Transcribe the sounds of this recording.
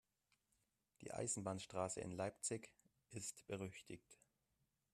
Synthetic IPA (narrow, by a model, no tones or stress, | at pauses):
d̥ḭːʔa̰ɪzn̩baːnʃtʁ̥aːsə̰ɪ̰nlaɪp̚t͡sɪç | ʔɪstb̥əʁ̞ʏçtʰɪçt